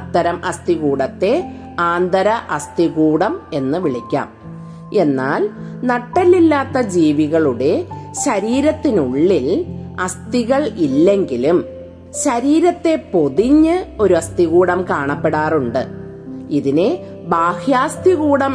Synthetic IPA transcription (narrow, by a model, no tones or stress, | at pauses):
t̪ːɐɾɐmʔɐst̪iɣuːɽɐt̪ːe̞ | aːnd̪ɐɾɐʔɐst̪iɣuːɽɐme̞nːɨʋiɭikʲːa̰ːm | e̞nːaːlnɐʈːɐlːilːaːt̪ːɐd͡ʑiːʋiɣɐɭuɽe̞ɕɐɾiːɾɐt̪ːinuɭːilɐst̪iɣɐɭilːe̞ŋɡilum | ɕɐɾiːɾɐt̪ːe̞po̞ðiɲːɨo̞ɾuɐst̪iɣuːɽɐmkaːɳɐpːeɽaːruɳɖɨ | iðine | baːhjaːst̪iɣuːɽɐm